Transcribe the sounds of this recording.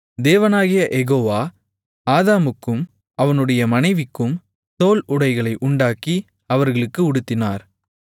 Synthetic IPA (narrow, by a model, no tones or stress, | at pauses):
d̪eːʋɐnaːɣɪjɐʔɛɣoːʋaː | aːðaːmɯkːɯm | ɐʋɐnɯɽɐjɐmɐnɐɪʋɪkːɯm | soːlʊɽɐɪɣɐɭɐɪʔʊɳɖaːki | ɐʋɐɾɣɐɭɯkːɯʊɽɯt̪ːɪnaːɾ